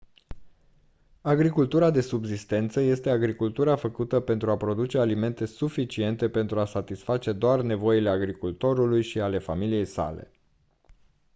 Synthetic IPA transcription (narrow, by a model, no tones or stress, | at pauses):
aɡɾikult̪uɾad̪e̞subzist̪e̞nt̪səje̞st̪e̞aɡɾikult̪uɾafəkut̪əpe̞nt̪ɾuapɾo̞d̪ut͡ʃe̞alime̞nt̪e̞sufit͡ʃie̞nt̪e̞pe̞nt̪ɾuasat̪isfat͡ʃe̞d̪oarne̞vo̞ile̞aɡɾikult̪o̞ɾulujʃiale̞familije̞jsa̰le̞̰